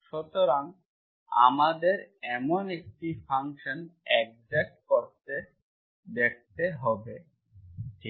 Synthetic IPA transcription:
ʃɔt̪oɾaŋ | a̰mad̪eɾɛmonek̚ʈifʰaŋʃonɛk̚d͡ʒek̚koɾt̪e | d̪ek̚t̪eɦɔbe | ʈʰi

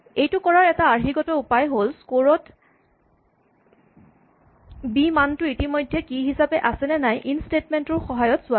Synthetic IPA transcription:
ejtʊkɔɹaɹɛtaːɹɦiɡɔtɔupajɦolskoɹɔt | bimantʊitimojdʱːɛkiɦisapɛʔasɛnɛnajʔinstetmɛntɔɹxɔɦajɔtsʊa

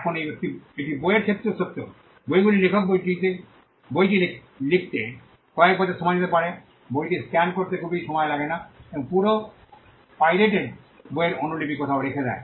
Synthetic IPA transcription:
ɛkʰonejekt̪iek̚ʈibojeɾkʰep̚t̪ːɾosot̪ːo̰ | bojɡulilekʰok̚bojʈit̪e | bojʈile | lik̚ʰt̪e | kɔek̚bad͡ʑeʃɔmanit̪epaɾe | bojʈiskɛnɖ̚koɾt̪ekʰubiʃɔmɔelaɡenaeboŋpuɾo | pajleʈeɖ | bojeɾonolipikɔt̪ʰaoɾekʰed͡ʑa̰e

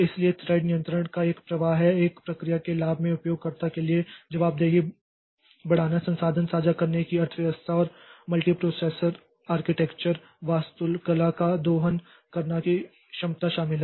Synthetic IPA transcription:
ɪsliet̪ɾaːɪɖnijə̃nt̪ɾəɽ̃kaeːkpɾɐʋaːɦɦɛeːkpɾɐkɾijakelaːbʱmẽʊpjoːɡ̚kɐɾt̪akelied͡ʒɐʋaːb̚d̪eːɡie | bɐɽ̤aːnasɐ̃nsaːd̪ʱənsaːd͡ʒakɐɾnekiɐɾt̪ʰʋjɐʋəst̪ʰaɔːɾmɐlʈipɾoːseːsəɾ | aːɾkɪʈekt͡ʃəɾ | ʋaːst̪ʊlkɐlakad̪oːɦən | kɐɾnaki | ʃɐmt̪aʃaːmɪlɦɛ

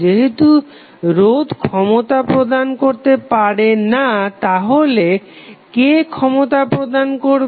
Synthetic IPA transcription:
eɦet̪u | ɾod̪kʰɔmot̪apɾod̪ankoɾt̪epaɾenat̪aɦole | kekʰɔmot̪apɾod̪ankoɾ

